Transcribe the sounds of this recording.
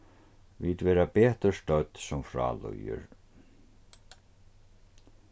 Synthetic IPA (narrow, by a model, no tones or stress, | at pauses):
viːt̪vɛːɾapɛːht̪ʏɾ̥st̪œt̪sɔmfɾa̰ːlœ̰jʏ̰ɾ̥